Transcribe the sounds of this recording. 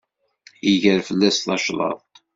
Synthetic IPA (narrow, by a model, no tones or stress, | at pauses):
iʝəɾfəlːæslɑʃlˤɑ̰ðˤt̪